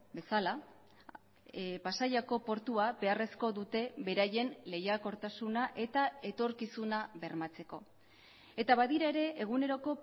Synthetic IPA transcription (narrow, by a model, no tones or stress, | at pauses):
be̞sala | pasajako̞po̞ɾt̪uabe̞are̞sko̞ðut̪e̞be̞ɾaje̞nle̞jako̞ɾt̪asunaʔe̞t̪ae̞t̪o̞ɾkisunaβe̞ɾmat͡se̞ko̞ | e̞t̪aβaðiɾae̞ɾe̞ʔeɣ̞une̞ɾo̞ko̞